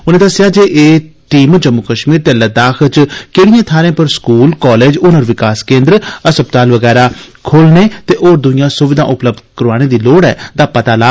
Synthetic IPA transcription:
ʊnẽːd̪əsːɪjaːd͡ʒeːʔeːʈiːmd͡ʒəmːʊkəʃmiːɾt̪eːləd̪aːkʰt͡ʃkeːɽijãːt̪ʰaːɾẽːpəɾskuːlkɔːleːd͡ʒʊnəɾʋɪkaːskẽːnd̪ɾəəsəb̚t̪aːlʋəɡɛːɾaːkʰoːlneːt̪eːʔoːɾd̪ʊɪ̃jãːsʊʋɪd̪ã̰ːʔʊpləb̚d̪kəɾʋaːñẽːd̪iːloːɽɛːd̪aːpət̪aːlaː

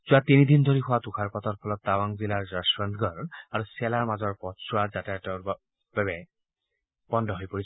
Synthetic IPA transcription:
zʊatinidindʱoɹixʊwatukʰaɹpɔtɔt̚pʰɔlɔtːawaŋzilaɹzasɹant̪ʰɡɔɹaɹusɛlaɹmazɔɹpɔtsuazatɛtɔb | babɛ | b̥ɔndʱɔɦojpoɹis

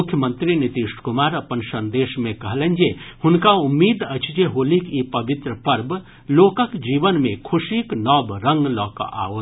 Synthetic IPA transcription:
ukʰjəmənt̪ɾinit̪iʃkumaɾəpənsənd̪esmekəɦlɛnd͡ʒehunkaumːid̪ət͡ʃʰd͡ʒeɦolikipəbit̪ɾəpəɾb | lokəkd͡ʒibənmekʰusiknɔbɾə̃ŋɡlɔːkʔa̰o

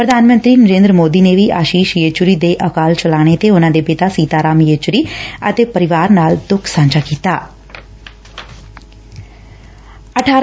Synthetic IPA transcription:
pɾəd̪ʱaːnmə̃nt̪ɾiːnəɾẽːnd̪ɾəmoːd̪iːneːʋiːʔaːʃiːʃjeːt͡ʃʊɾiːd̪eːʔəkaːlt͡ʃəlaːɽ̃et̪eːʊnãːd̪eːpɪt̪aːsiːt̪aːɾaːmjeːt͡ʃʊɾiːə̰t̪eːpəɾɪʋaːɾnaːld̪ʊkʰsãːɲd͡ʒaːkiːt̪aː | əʈʰaː

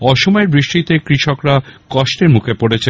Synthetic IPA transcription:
ɔʃomɔeɾbɾiʃʈit̪ekɾiʃokɾakɔʃʈeɾmukʰepoɽet͡ɕʰe

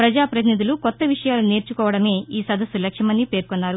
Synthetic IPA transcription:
pɾɐd͡ʒaːpɾɐt̪inid̪ʱulukɔt̪ːɐʋiʂɐjaːlune̞ːɾt͡ʃukɔːʋɐɽɐme̞ːiːsɐd̪ɐsulɐkʂjɐmɐnːipe̞ːɾkɔnːaːɾu

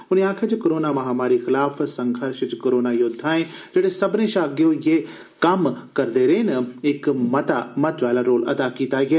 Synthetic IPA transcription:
ʊniãːkʰet͡ʃkoɾoːnamãɦɐmaːɾixɪlaːfsɐ̃ŋɡʱɐɾʃt͡ʃkoːɾoːnajʊd̪ʱːaːɦẽd͡ʒeːɽesɐbʱnẽʃãːɡijojeː | kɐmkɐɾd̪eɾeːnɐɪkmɐt̪amɐt̪ʰʋaːlaɾoːlɐ̰d̪akiːt̪aːiɛː

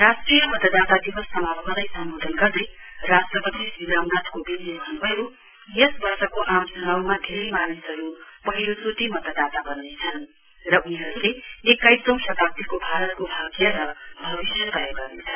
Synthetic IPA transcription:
rasʈrijʌmʌt̪ʌd̪at̪ad̪ibʌsːʌmalkʌd̪ʌjsʌmbod̪ʱʌnɡʌrd̪ej | rasʈrʌpʌd̪isbiamnat̪kobiljobʱʌnubʱʌjo | jesbʌrsʌkoʔamd͡zʱʌnawmad̪ʱeɾemanusɦʌɾupʌɦiɾost̪ut̪imʌt̪ʌd̪at̪abʌnːet͡sʰʌn | rʌuniɦʌɾuleekːajssʌ̃w̃sʌt̪ap̚t̪ikobʱaɾʌt̪̚kobʱaɡjʌɾʌbʱʌβisjʌt̪ʌjoɡʌrnet͡sʰʌn

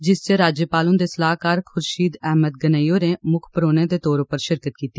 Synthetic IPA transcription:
d͡ʒɪst͡ʃeːɾaːd͡ʒjəpaːlʊ̃nd̪eːsəlaːɦkaːɾkʰʊɾʃiːd̪ɛɦməd̪̚ɡənaijoːɾeːmʊkʰpəɾoːnẽːd̪eːt̪oːɾopəɾʃɪɾkət̪̚kiːt̪iː

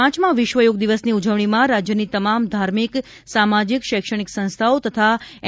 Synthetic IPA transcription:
ãt͡ʃmãʋɪʃʋəjoɡ̚d̪iʋəsniud͡ʒəʋɳ̃imãɾad͡ʒjənit̪əmamd̪ʱaɾmik | samad͡ʒikʃɛkʃəɽ̃iksə̃ñst̪ʰaot̪ət̪ʰa

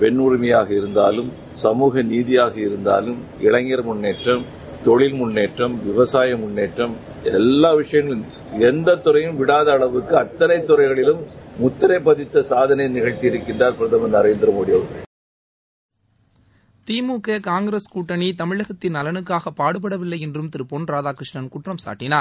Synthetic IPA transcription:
pɛɳʊɾɪmɐjaːɣɐɪɾɯnd̪a̰ːlɯm | sɐmuːɣɐniːðɪjaːɣɐɪɾɯnd̪a̰ːlɯmɪɭɐŋɡɐɾmʊɳːeːʈrɐm | t̪ɔɭɪlmʊnːeːʈrɐmʋɪʋɐsaːjɐmʊnːeːʈrɐm | ɛlːaːʋɪʂɐjɐŋɡɐlɯm | ɛnd̪ɐt̪ːʊɾɐjɯmʋɪɽaːðɐːɭɐʋɯkːɯɐt̪ːɐnɐɪt̪ːʊɾɐɪɣɐɭɪlɯmːʊt̪ːɐɾɐpːɐðɪt̪ːɐsaːðɐnɐjnɪɣɐɻt̪iɪɾɯkːɪndraːɾpɪɾɐðɐmɐnɐɾeːnd̪ɪɾɐmɔɽɪjɐɣɐɭ | t̪iːmuːkːɐkaːŋɡɾeːskuːʈːɐnit̪ɐmɪɻɐɣɐt̪ːɪnɐlɐnɯkːaːɣɐpːaːɽɯp̬ːɐɽɐʋɪlːɐɪɛndrɯmt̪ɪɾɯpɔnɾaːðaːkɾɪʂɳɐnkʊʈrɐmsa̰ːʈːɪnaːɾ

